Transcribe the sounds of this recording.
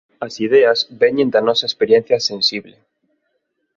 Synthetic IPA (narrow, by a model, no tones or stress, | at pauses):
asiðeazbeɲẽnd̪anɔsaespeɾjen̟θjasensiβle